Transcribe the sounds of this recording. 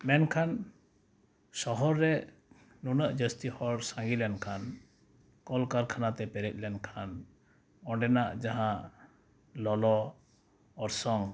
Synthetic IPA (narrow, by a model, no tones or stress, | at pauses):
mɛnkʰan | sɔɦɔɾːɛ | nunəʔd͡ʒəst̪ihɔɽsãŋɡilɛnkʰan | kɔlkaɾkʰanat̪ɛpɛɾɛc̪̚lɛnkʰan | ɔ̃ɖɛnaʔd͡ʒaɦãʔ | lɔlɔː | ɾsɔŋ